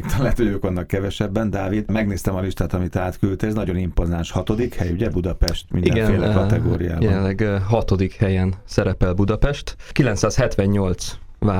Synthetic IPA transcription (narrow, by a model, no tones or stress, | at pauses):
t̪ɒlːaːt̪hoɟøːkʋɒnːɒkkːɛvɛʃɛbːɛnd̪aːvid̪mɛɡneːst̪ɛmɒliʃt̪aːt̪ɒmit̪aːt̪kylt̪ɛznɒɟo̞nimpozanʃhɒt̪o̞d̪ikhɛjuɟɛbud̪ɒpɛʃt̪mindiɡɛneːlɛkɒt̪ɛɡoːɾija̰ːbjɛɛnlɛɡɦɒt̪o̞d̪ikhɛjɛnsɛɾɛpɛlbud̪ɒpɛʃt̪kilɛnt̪saːshɛt̪ʋɛɲɲo̞lt̪sʋaː